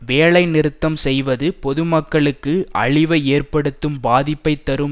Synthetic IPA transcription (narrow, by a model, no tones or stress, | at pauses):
ʋeːɭɐɪnɪɾɯt̪ːɐmsɛjʋɐðɯpɔðɯmɐkːɐɭɯkːɯɐ̰ɭɪʋɐeːrpɐɽɯt̪ːɯmbaːðɪpːɐɪt̪ːɐɾɯm